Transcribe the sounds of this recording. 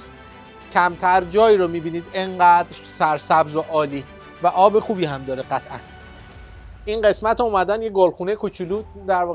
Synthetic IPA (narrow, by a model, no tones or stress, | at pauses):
s | cʰæmt̪ʰæɾd͡ʒɒːjiɾomiːbiːniːd̪eŋɢæːd̪ɾsæɾsæbzoʔɒːliː | væʔɒːbe̞xuːbiːhæmd̪ɒːɾeɢæt̪ʰʔæ̰n | ʔinɢe̞smæt̪ʰuːmæd̪ænjeɡolxuːnejekʰot͡ʃʰuluːd̪æɾvɒː